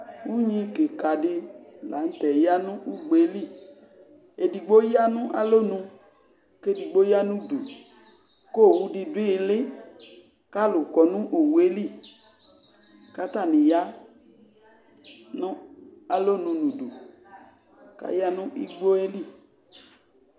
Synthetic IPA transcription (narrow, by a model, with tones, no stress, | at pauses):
wu˦ɲĩ˧ke˨ka˨dɪ˧la˨˦n̩˦tɛ˨ja˦nũ˦ʔu˦ɡ͡be˦li˦˨ | e˨di˨ɡ͡bo˦ja˦nũ˦ʔa̰˦lo˦nũ˧ | ke˦˨di˨ɡ͡bo˦ja˦nũ˦dṵ˨ | ko˦˨wu˧di˧di˦e˧le˦ | ka˦lu˨kɔ˨nũ˦ʔo˨wu˨˦e˦li˦˨ | ka˦t̪a˦˨nĩ˨ja˦ | nũ˦a˨lo˦nũ˧nũ˨dṵ˨ | ka̰˦ja˦nũ˦ʔi˦ɡ͡bo˦e˦li˦˨